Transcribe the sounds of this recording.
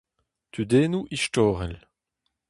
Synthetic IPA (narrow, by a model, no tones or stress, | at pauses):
t̪ʰyd̪eːnuʔiʃtɔːʁɛl